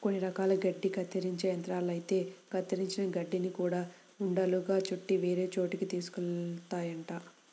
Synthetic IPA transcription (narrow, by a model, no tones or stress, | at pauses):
ko̞nːiɾɐkaːlɐɡɐɖːikɐt̪ːɐɾiɲt͡ʃeːjɐnt̪ɾaːlɐjit̪e̞ːkɐt̪ːɐɾiɲt͡ʃinɐɡɐɖːinikuːɽaː | uɳɖɐluɡaːt͡ʃuʈːiʋe̞ːɾe̞ːt͡ʃo̞ːʈikit̪iːsu̥kut̪aːjɐɳʈaː